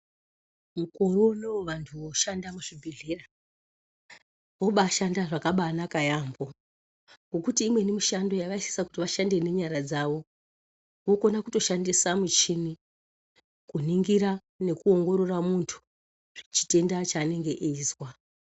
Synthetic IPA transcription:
muko̞ɾoneʋoʋantʰuʋo̞ʃandamuʐibʱeɮera | ʋo̞ɓaːʃandaʐakaɓaːnakajambo̞ | ŋɡo̞kutiːmwe̞nemiʃando̞jaʋaisi̥saku̥tiʋaʃande̞ne̞ɲaɾad͡zaʋo̞ | wo̞ko̞nakuto̞ʃandisamut͡ʃini | kuniŋɡiɾa | ne̞kuo̞ŋɡo̞ɾo̞ramuntʰu̥ | ʐt͡ʃi̥te̞ndat͡ʃaːne̞ŋɡe̞ʔizwa

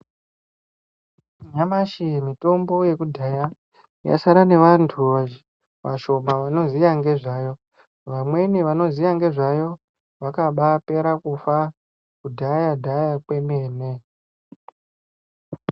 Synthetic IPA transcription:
ɲamaʃimito̞mbo̞je̞kudʱaja | ja̰saɾane̞ʋantʰuʋa | ʋa̰ʃo̞maʋano̞zijaŋɡe̞ʐaːjo̞ | ʋamwe̞niʋano̞zijaŋɡe̞ʐajo̞ | ʋakaɓape̞ɾakufa | kudʱajadʱajakwe̞meːne

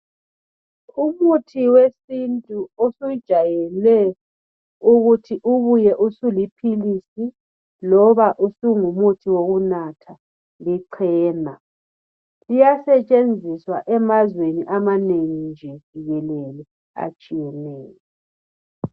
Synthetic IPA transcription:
umutʰiwesintʼuosud̥ʒ̥ʱajɛlɛ | uɣutʰiʔuβujɛʔusulipʰilisi | lɔβaʔusuŋumutʰiwoɣunatʰa | liǀʰɛːna | lijasɛt͡ʃʼend͡zʱiswaʔɛmazweniʔamaneŋind͡ʒʱɛv̥ʱiɣɛlɛlɛ | a̰t͡ʃʼijɛnɛːjɔ

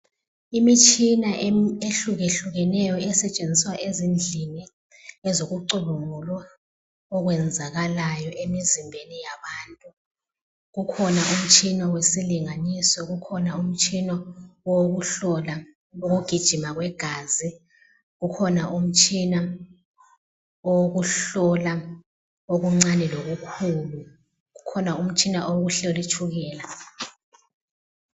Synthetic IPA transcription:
imit͡ʃʰʼinaʔeɬuɣeɬuɣɛnɛjɔɛsɛt͡ʃʼend͡zʱiswaʔezind͡ɮʱini | ɛzoɣuǀuβuŋulwa | ɔɣ̬wɛnd͡zʱaɣalajɔʔemizimbʱenijaβaːntʼu | ɣukʰɔnaʔum̩t͡ʃʼʰinawesiliŋanisɔɣukʰɔnaum̩t͡ʃʼʰinɔwoɣuɬɔla | oɣuɡ̥ʱid̥ʒ̥ʱimaɣwɛɡ̥ʱaːzi | ɣukʰɔnaʔum̩t͡ʃʼʰina | owoɣuɬɔla | oɣuŋ͡ǀanɛloɣukʰulu | ɣukʰɔnaum̩t͡ʃʰʼinaʔowoɣuɬolit͡ʃʰuɣɛːla

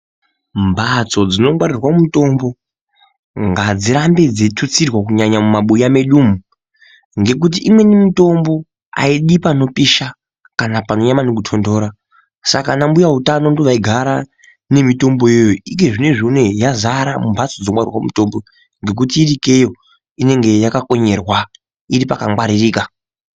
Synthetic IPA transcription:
mbʱat͡so̞d͡zino̞mwaɾirwaumuto̞mbo̞ | ŋɡad͡ziɾambe̞d͡zetʰut͡sirwak̬uɲaɲamumaɓujame̞ɗuːmu | ŋɡe̞k̬ut̬iʔimwe̞nimito̞mbo̞ | a̰iɗipano̞piʃa | kanapano̞jamanek̬utʰo̞ndo̞ːɾa | sakanambujautano̞ndoʋaiɡʱaɾa | ne̞mito̞mbo̞jejoike̞ʐine̞ʐune̞jazaɾamumbʱat͡sod͡zomwarḭrwaumuto̞mbo̞ | ŋɡe̞k̬ut̬iːrike̞jo̞ | ine̞ŋɡe̞jakako̞ɲe̞rwa | iɾipakaŋwaɾiriːka

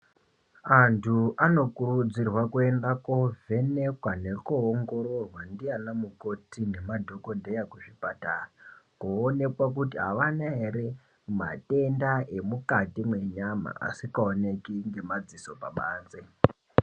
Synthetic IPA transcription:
antʰuʔano̞kurud͡zirwakue̞ndakovʱe̞ne̞kwane̞koːŋɡo̞ɾo̞rwandianamuko̞tine̞madʱo̞ko̞nde̞jakuʐipatara | koːne̞kwak̬utiɦa̰ʋanaɦeɾe̞ | ma̰te̞ndaʔe̞mukatimwe̞ɲama̰a̰sikaone̞kiŋɡe̞mad͡ziso̞paɓaːnd͡ze

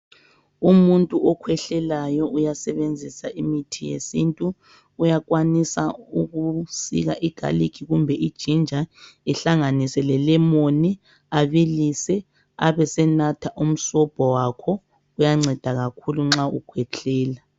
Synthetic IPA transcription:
umuntʼuʔɔkʰwɛɬɛlajɔʔujasɛβend͡zʱisaʔimitʰijḛsintʼuː | jaɣwanisauɣusḭɣaʔɛɡ̥ʱa̰likʰiɣumbʱɛʔid̥ʒ̥ʱind͡ʒʱaɛɬaŋanisɛlɛlɛmoni | aβilisɛ | a̰βɛsɛnatʰaʔum̩sɔb̥ʱɔwakʰɔ | ujaŋ͡ǀʱɛd̥ʱaɣakʰuluŋ͡ǁaṵkʰwɛt͡ɬʰɛːla

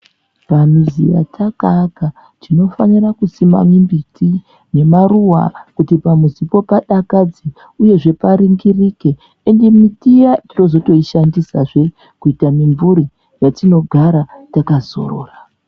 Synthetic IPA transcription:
panuzija̰tʰakaka | tino̞fanirakusima̰mwimbiti | ne̞maruwa̰kutipamuzipo̞paɗakad͡zi | uje̞ʐe̞paɾiŋɡirike̞ | endemitijatino̞zo̞to̞iʃandisaʐe̞ | kuitamiɱvuɾi | jatino̞ɡʱaɾatakazo̞̰ro̰ːra

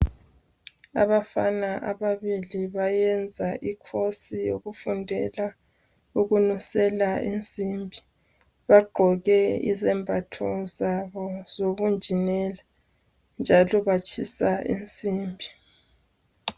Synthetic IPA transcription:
a̰βafanaʔaβaβiliβajɛnd͡zʱaʔikʰosijo̰ɣufundʱɛla | uɣunusɛlaʔent͡sʼimbʱi | βaɡ͡ǃʱɔɣɛḭzɛmbʱatʰɔzaβɔz̥oɣund͡ʒʱinɛla | nd͡ʒʱalɔβat͡ʃʰʼisaʔḭnt͡sʼiːmbʱi

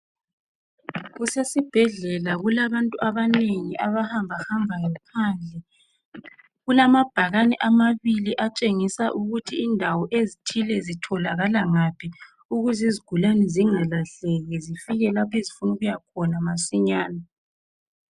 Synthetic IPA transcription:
ɣusesib̥ʱɛɮɛlaɣulaβantʼuaβaneŋiʔaβahambʱahambʱajɔpʰand͡ɮʱɛ | ɣulamab̥ʱaɣanɛʔamaβiliʔat͡ʃʼeŋisaʔuɣutʰiːndʱawɔʔezitʰilɛzitʰɔlaɣalaŋapʰi | uɣuziziɡ̥ʱulanɛziŋalaɬɛɣɛzifiɣɛlapʰezifunuɣujakʰɔnamasiɲaːna

